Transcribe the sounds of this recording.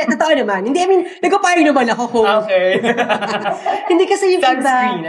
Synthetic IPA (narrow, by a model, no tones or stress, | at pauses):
t̪ɐt̪ɐʔonɐmanhɪnd̪iʔɐminnɐɡɐpaːjɐɡnɐmɐnɐkokoo | hɪnd̪ikɐsɛjʊŋpaɡ̚t̪a